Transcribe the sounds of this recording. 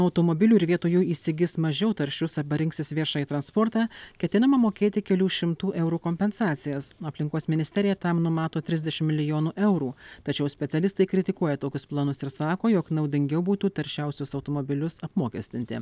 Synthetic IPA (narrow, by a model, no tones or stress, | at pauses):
ɐʊt̪oːmobʲɪlʲuːɪɾʋʲiɛt̪oːjuːiːsʲɪɡʲɪsmɐʒʲɛʊt̪ɐɾʲʃʲʊsɐbɐɾʲɪŋksʲɪsʋʲɪɾʃɑːjit̪ɾɐnspɔːɾt̪ɑːkʲɛt̪ʲɪnɐmɐmoːkʲeːt̪ʲɪkʲɛlʲuːʃʲɪmt̪uːʔɛʊɾuːkoːmʲpʲɛnsɑːt̪sʲɪjɛsɐpʲlʲɪŋkoːsmʲɪnʲɪsʲt̪ʲɛɾʲɪjɛt̪ɐmnʊmɑːt̪oːt̪ʲɾʲɪzd̪ʲɛʃʲɪmmʲɪlʲɪjoːnuːʔɛʊɾuːt̪ɐt͡ʃʲɛʊsʲpʲɛt̪sʲɛlʲɪst̪ɐɪkɾʲɪt̪ʲɪkuɔjɛt̪oːkʲʊsplˠɑnʊsɪɾsɑːkoːjoknɐʊd̪ʲɪŋʲɡʲɛʊbuːt̪uːt̪ɐɾʲʃʲɛʊsʲʊsɐʊt̪oːmobʲɪlʲʊsɐpmuːkʲɛsʲt̪ʲɪnʲt̪ʲɪ̰